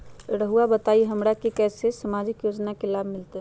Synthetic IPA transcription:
ɾəɦuabət̪aiɦəmɾakekɛsesəmad͡ʒikjod͡ʒnakelabʱmilt̪ɛ

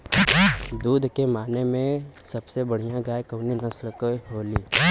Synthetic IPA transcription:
d̪uːd̪ʱkemaːnemẽsɐbsebɐɽ̤ijãɡaːekɐːninɐsləkɦoːliː

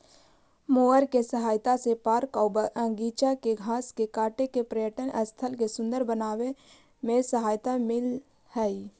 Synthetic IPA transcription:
moːəɾkesəɦaːjt̪asepaːɾkɔːbəə̃ŋɡiːt͡ʃakeɡʱaːskekaːʈekepɾəjəʈənəst̪ʰəlkesʊ̃nd̪əɾbənaːwe | mẽsəɦaːjt̪amɪl | hɛːi

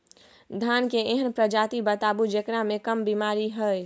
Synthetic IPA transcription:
d̪ʱaːnkeeɦənpɾəd͡ʒaːt̪ibət̪aːbud͡ʒeknamẽkəmbimaːɾiɦəj

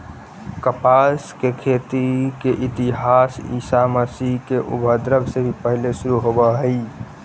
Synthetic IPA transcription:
kəpaskekʰet̪ikeʔit̪iɦasḭsaməsiɦkeʔṵbʱəd̪ɾəbsebʱipəɦilesuɾuɦobəɦəi

